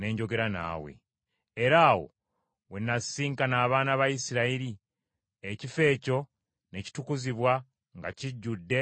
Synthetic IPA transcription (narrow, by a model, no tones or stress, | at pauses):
ne̞ːɲɟo̞ɡe̞ɾana̰ːwḛ | eɾaːwo̞̰ | wenːasiːŋkanaːβaːnaβajisiɾaiɾi | ecife̞ːco̞ | ne̞ci̥tukuziβwa | ŋɡaciɟːudːe̞